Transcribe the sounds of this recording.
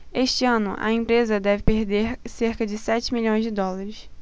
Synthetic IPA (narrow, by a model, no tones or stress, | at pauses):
eʃt͡ʃɪɐ̃nʊ̰ʔɐ̰ẽmpɾezɐd̪ɛvɪpeɾd̪eɾseɾkɐd͡ʒɪsɛt͡ʃɪmiʎõj̃zd͡ʒɪd̪ɔlɐɾɪs